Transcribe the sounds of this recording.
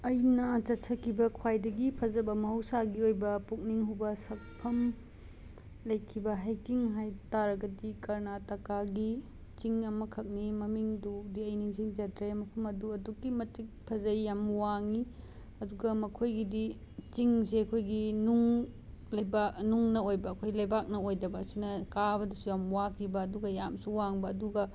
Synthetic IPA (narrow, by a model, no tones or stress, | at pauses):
ɐjnɐt͡ʃɐtsʰɐkʰibɐkʰwajdɐɡipʰɐzɐbɐmɐɦɐwsaɡiojbɐpuk̚niŋɦubɐsɐk̚pʰɐm | lɐjkʰibɐɦajkiŋɦajtaɾɐɡɐdikɐɾnatɐkaɡi | t͡ʃiŋɐmɐkʰɐk̚nimɐmiŋdudiɐjniŋziŋd͡ʒɐtɾemɐkʰumɐduɐdukːimɐtik̚pʰɐzɐjjamwaŋi | ɐduɡɐmɐkʰojɡidi | t͡ʃiŋseɐkʰojɡinuŋ | lɐbanuŋnɐojbɐːkʰojɡlɐjbak̚nɐojdɐbɐːsinɐkabɐdɐsujamwakʰibɐːduɡɐjamsuwaŋbɐːduɡɐ